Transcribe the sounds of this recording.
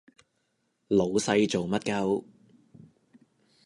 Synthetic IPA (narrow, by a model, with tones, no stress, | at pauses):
lo˨˧wsɐ˧jt͡so˨wmɐ˥t̚kɐ˥˧w